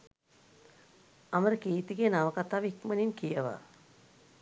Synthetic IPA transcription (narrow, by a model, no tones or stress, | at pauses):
aməɾəkiːt̪iɡejnaʋəkat̪aːʋikməninkijəʋa̰